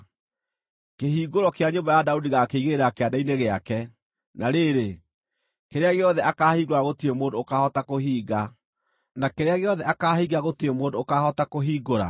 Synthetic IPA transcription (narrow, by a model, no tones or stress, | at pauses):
keɦiːɡoɾɔkeaɲombajadaudiɣakeiɣeeɾakeadaineɣeakɛ | naɾeɾe | keɾeaɣeɔðɛʔakahiːɡoɾaɣotiemoːndoːkahɔtakoɦiːɡa | nakeɾeaɣeɔðɛʔakaːhiːɡaɣotemoːndoːkahɔtakoɦiːɡoɾa̰